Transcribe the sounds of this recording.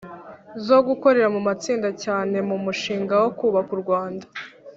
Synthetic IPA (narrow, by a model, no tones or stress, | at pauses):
zo̞ɡuko̞ɾe̞ɾamumat͡siːndacaːne̞mumuʃiːŋɡawo̞kuːβakuɾɡwaːndḁ